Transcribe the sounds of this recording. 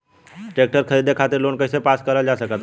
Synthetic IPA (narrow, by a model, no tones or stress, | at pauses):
ʈeːk̚ʈəɾkʰəɾiːd̪ekʰaːt̪ɪɾloːnkəɪsepaːskəɾəld͡ʒaːsəkət̪